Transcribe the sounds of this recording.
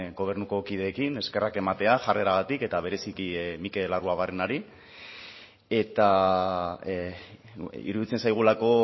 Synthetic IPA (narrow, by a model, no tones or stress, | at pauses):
ɡo̞β̞e̞ɾnuko̞kið̞e̞ːkine̞ske̞rake̞mat̪e̞aʝare̞ɾaɣat̪ike̞t̪aβ̞e̞ɾe̞sikimike̞laruaβarenaɾi | e̞t̪a | ḭɾuðit͡se̞nsajɣ̞ulako̞